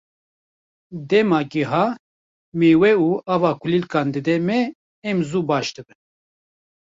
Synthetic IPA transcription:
d̪ɛmɑːɡiɦɑː | meːwɛuːaːvɑːkʰulilkɑːnd̪ɨd̪ɛmɛː | mzuːbɑːʃd̪ɨbɨn

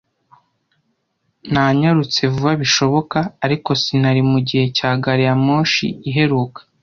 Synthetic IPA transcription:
naɲaɾut͡se̞vuβaβiʃo̞βo̞kaːɾiko̞sin̥aɾimuɟihe̞caːɡaɾijamoːʃḭiɦe̞ɾuːkḁ

